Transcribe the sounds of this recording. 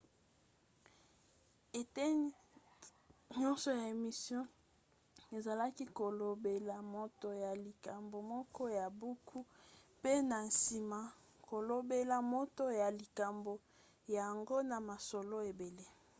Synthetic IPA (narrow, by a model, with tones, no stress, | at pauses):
e˨te˦ | ɲɔ˦nsɔ˨ja˨e˨mi˨sjɔ̃˦ | e˨za˨la˦ki˦ko˨lo˨be˨la˨mo˨to˨ja˨li˨ka˨mbo˨mɔ˦kɔ˦ja˨bu˦kʰu˦pe˦na˨n˨si˨ma˨ | ko˨lo˨be˦la˨mo˦to˦ja˨li˨ka˨mbo˨ | ja˨ŋɡo˦na˨ma˨so˨lo˦e˨be˨le˦